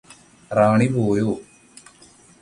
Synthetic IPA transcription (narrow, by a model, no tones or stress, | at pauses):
raːɳipoːjoː